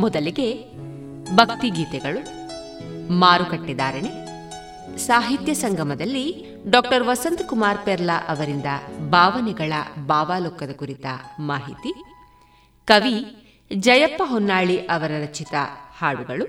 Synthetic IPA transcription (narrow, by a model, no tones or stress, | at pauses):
mɔd̪ɐliɡe̞ | bʱɐkt̪iɡiːt̪ɛɡɐɭu | maːɾukɐʈːid̪aːɾeɳe | saːɦit̪jɐsɐŋɡʱɐmɐd̪ɐlːi | ɖɔːk̚ʈɐɾʋɐsɐnt̪kumaːɾpɛɾlaʔɐʋɐɾind̪ɐbʱaːʋɐnɛɡɐɭɐ̰baːʋaːloːkːɐd̪ɐkuɾit̪ɐ̰maːɦit̪i | kɐʋi | d͡ʒɐjɐpːɐɦɔnːaːɭiʔɐʋɐɾɐɾɐt͡ʃit̪ɐhaːɭuɡɐɭu